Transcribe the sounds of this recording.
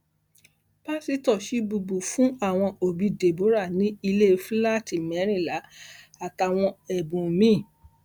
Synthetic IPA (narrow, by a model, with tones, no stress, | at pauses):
b̥a˦si˨˦tɔ˦˨ʃi˨˦bu˧bu˨fũ˨˦a˦˨w̃ɔ̃˧o˨bi˨˧de˨bo˨˦ɾa˦˨nĩ˨˦i˧le˦˧fla˦˨ti˨mɛ˨˦ɾ̃ĩ˦˨la˨˦ | a˨ta˨w̃ɔ̃˧ɛ˨bũ˨mĩ˦˨